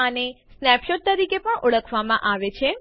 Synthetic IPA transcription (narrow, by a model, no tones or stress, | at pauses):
ənesnɛpʃoʈ̚t̪əɾikepəɳʊɭəkʰʋamã̰ʔaʋet͡ʃʰe